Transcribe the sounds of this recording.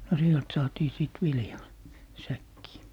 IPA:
no sielt sɑːtiː siˑt ʋiljɑː sækːiː

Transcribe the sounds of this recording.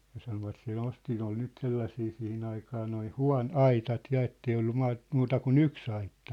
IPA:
jɑ sɑnoʋɑt se nosti ne ol nyt selːɑsiː sihin ɑikɑː noi huɑ̝n ɑitɑt jɑ etːei olːu mɑːt muːtɑ kun yks ɑitːɑ

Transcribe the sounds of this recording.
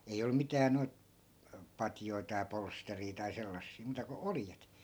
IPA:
ei olːŭ mitæː noi̯t pɑtjoi̯ tɑi polsteriː tɑi selːɑsːiː muːtɑ ko oljet

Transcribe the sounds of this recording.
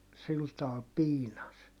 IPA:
sil tɑːl piːnɑs

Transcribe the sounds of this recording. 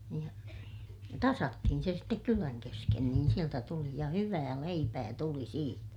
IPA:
niːj jɑ tɑsɑtːihin se stek kylæn kesken niːn sieltæ tuli jɑ hyʋæː leipæː tuli siːtæ

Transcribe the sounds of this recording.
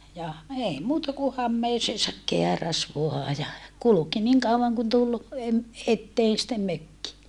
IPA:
jɑ ei muːtɑ ku hɑmːeːseːsɑk keæræs ʋoɑ jɑ kuluki niːŋ kɑuʋɑŋ kun tul em etːeːn sĭtːem møkːi

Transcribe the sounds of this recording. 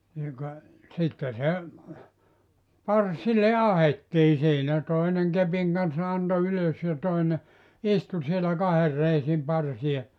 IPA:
niːŋ kɑ sitːe se pɑrsile ɑhetːiː siːnæ toineŋ kepiŋ kɑnsːɑ ɑnto yløs jɑ toine istu sielæ kɑher reisim pɑrsie

